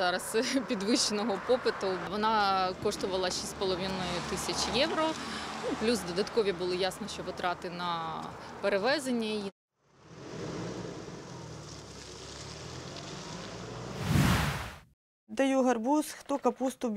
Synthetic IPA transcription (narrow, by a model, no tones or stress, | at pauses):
ɑɾɐspʲid̪ʋɪɕt͡ʃenɔɦɔpɔpɪt̪ʊʋɔnɑkɔʂt̪ʊʋɐlˠɐʃisʲpɔlˠɔʋʲinɔjʊt̪ɪsʲɐt͡ʃjɛʋɾɔnuplʲusd̪ɔd̪ɐt̪kɔʋʲibʊlˠɔjasnɔʃt͡ʃɔʋɨt̪ɾɑt̪ɪnɐpeɾeʋɛzenʲːɐji | d̪ɐjuɦɐrbusxt̪ɔkɐpust̪ʊbʲ